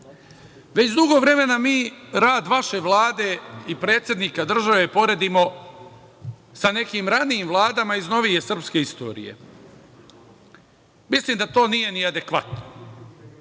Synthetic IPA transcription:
ʋe̞t͡ɕd̪uɡo̞ʋɾe̞me̞namiːɾaːd̪ʋaʃe̞ʋlˠaːd̪e̞ipɾe̞ːt̪sʲjed̪nikad̪r̩ʒaʋe̞po̞ɾe̞d̪imo̞ | sane̞kimɾaniːmʋlˠaːd̪amaizno̞ʋije̞sr̩pske̞ist̪o̞̰ɾḭjḛ | misliːmd̪at̪o̞ːnije̞niad̪e̞kʋat̪no

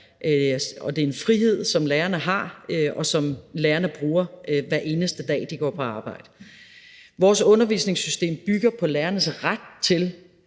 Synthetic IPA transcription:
ɒ̽d̥e̝e̝nfʁiɦe̝ð̞̰ˠsɒ̽mleːɐnəɦɑ̈ɒ̽sɒ̽mleːɐnəb̥ʁuːɐʋæɐʔe̝ːnəsd̥əd̥ɛ̰ːd̥iɡ̥ɒ̰ːpʰɒ̽ɑ̈ːb̥ɑ̈ɪ̰d̥ə | ʋɒːsɔ̽nɐʋḭːsne̝ŋsysd̥e̝̰ːmb̥yɡ̥ɐpʰɒ̽leːɐnəsʁad̥̚t͡sʰe̝l

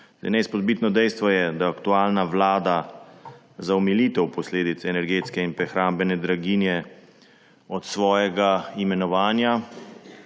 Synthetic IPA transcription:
za̰jnɛjspɔd̪̚bit̪nɔd̪ɛjst̪ʋɔjɛd̪aːkt̪uaːlnaʋlaːd̪a | zaɔmiliːt̪ɛwpɔsleːd̪it̪sɛnɛɾɡeːt̪skɛinpɾɛxɾaːmbɛnɛd̪ɾaɡiːnjɛ | ɔt̪sʋɔːjɛɡaimɛnɔʋaːnja

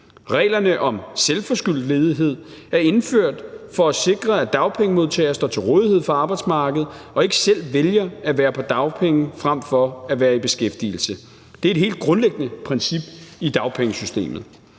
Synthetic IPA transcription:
ʁɛ̰ːlɐnəʔɒ̽mselfɒ̽sɡ̥yl̰d̥le̝ːð̞ˠiɦe̝ð̞̰ˠ | æɐe̝nføɐ̰d̥fɒ̽æse̝ɡ̥ʁɐæd̥ɑ̈ʊpʰeŋəmo̝ðˠt͡sʰɛ̰ːɐsd̥ɒ̰ːt͡sʰe̝lʁɔ̽ːðˠihe̝ð̞̰ˠfɒɑ̈ːb̥ɑ̈ɪd̥smɑ̈ːɡ̥əð̞̩ˠɒ̽e̝ɡ̥ə̥sel̰ʋeljɐæʋæːɐpʰɒ̽d̥ɑ̈ʊpʰeŋəfʁam̰fɒ̽æʋæːɐib̥e̝sɡ̥efd̥ḭl̩sə | d̥eɐe̝d̥he̝̰ːld̥̚ɡ̥ʁɔ̽nleɡ̥ənəpʰʁɛnsib̥id̥ɑ̈ʊpʰeŋəsysd̥e̝̰ːmð̞̩ˠ

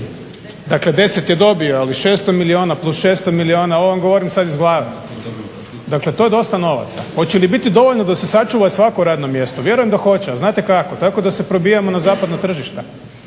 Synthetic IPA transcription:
d̪akle̞d̪e̞se̞t̪jed̪o̞bioaliʃe̞ːst̪o̞milio̞ːnaplˠusʃe̞st̪omilio̞ːnao̞ʋamɡoʋo̞ɾimsad̪izɡlˠaːʋe | d̪akle̞t̪oje̞d̪o̞st̪ano̞ʋa̰t̪sa̰xo̞t͡ɕelibit̪id̪o̞ʋoʎnod̪ase̞sat͡ʃuːʋasʋako̞uɾaːd̪no̞mje̞st̪oʋje̞ɾujemd̪axo̞t͡ɕeaznaːt̪e̞kako̞t̪ako̞d̪ase̞pɾo̞bijamo̞nazaːpad̪nat̪r̩ʒiʃt̪a

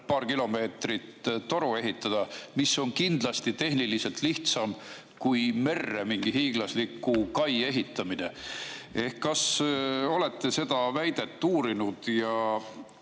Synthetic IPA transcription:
pɑːɾkilo̞me̞ːt̪rit̪t̪o̞ɾue̞ɦit̪ːˑɑd̪̥ɑmisːo̞nkind̪̥lɑst̪it̪e̞ɦniliselt̪liht̪sɑm | kujme̞rːemiŋɡ̥iɦiːɡ̥lɑslikːˑukɑje̞ɦit̪ːˑɑminee̞hkːɑso̞le̞t̪ːe̞se̞d̪̥ɑvæjd̪̥e̞t̪ːuːɾinud̪̥jɑ

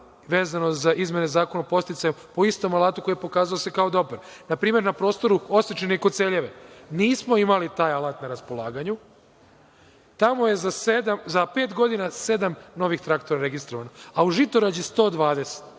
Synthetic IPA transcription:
ʋeːzanozaʔizme̞ne̞zaːkonapo̞st̪it̪saempo̞ist̪o̞malˠaːt̪uko̞jepo̞kaːzaose̞kaod̪o̞pɾnapɾiːme̞ɾnapɾo̞ːst̪o̞ɾuo̞sit͡ʃeneikot̪seʎe̞ʋe̞niːsmo̞imalit̪aːjalˠat̪naɾaspo̞lˠaːɡaɲu | t̪amo̞jezased̪amzapeːt̪ɡo̞d̪inased̪amno̞ʋixt̪ɾakt̪o̞ɾaɾe̞ɡist̪ɾo̞ʋanoauʒit̪oɾad͡ʑjest̪o̞ːd̪ʋaːd̪e̞se̥t̪

